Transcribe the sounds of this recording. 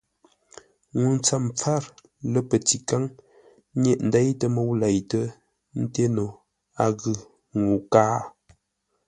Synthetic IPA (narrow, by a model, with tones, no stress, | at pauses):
ŋu˨n˦t͡sa˦˨mp͡fa˦˨ɾ | lə˦pə˨ti˨ka˦ŋ˦ | njɛ˦ʔn̩˨da˦jtə˨mo˦wla˨jtə˦ | n̩˦te˦no˨ | a˨ɣɯ˨ | ŋu˨kaː˦